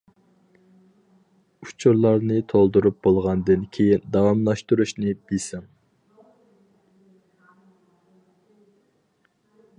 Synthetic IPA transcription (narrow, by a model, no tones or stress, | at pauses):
ut͡ʃʰuɾlˠɑɾnɨt̪ʰolˠd̪uɾup̚bolˠʁɑnd̪ɨnkʲʰejind̪ɑwɑmlˠɑʃt̪uɾuʃnɨb̥isɪŋ